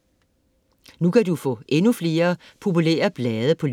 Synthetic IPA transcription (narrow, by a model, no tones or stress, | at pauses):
nukʰædufɔ̰̽ːʔenufle̝ːɐpʰo̝pulḛːɐb̥lɛːð̞ˠəpʰɒ̽l